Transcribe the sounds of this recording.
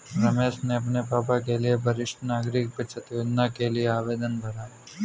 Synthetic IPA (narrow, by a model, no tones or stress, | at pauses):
ɾəmesneɐpnepaːpak̬eliebʱəɾɪʃʈnaːɡɾik̚pət͡ʃʰət̪jod̪nakelieaːʋed̪ənbʱəɾa